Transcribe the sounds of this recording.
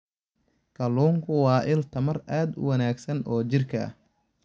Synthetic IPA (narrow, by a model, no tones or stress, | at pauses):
kʰɐluːŋkʰʊwɑːʔɪlt̪ʰɐmɐrʔaːd̪ʊ̰wɐnaːɡsɐnɔːt͡ʃɪrkʰɐ̰